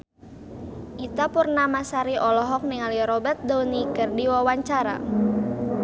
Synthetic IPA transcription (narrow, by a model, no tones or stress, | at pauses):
ʔit̪apʊrnamasaɾiʔɔlɔɦɔk̚niŋaliɾɔbɛrt̪̚dɔwnikɨrdiwawaɲt͡ʃaɾa̰